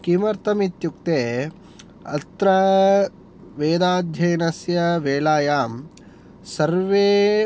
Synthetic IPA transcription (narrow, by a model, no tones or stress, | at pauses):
kimɐɾt̪ɐmit̪juk̚t̪eː | ɐ̰t̪ɾɐ | ʋeːd̪aːd̪ʱjɐjnɐsjɐʋeːlaːjaːm | sɐɾʋeː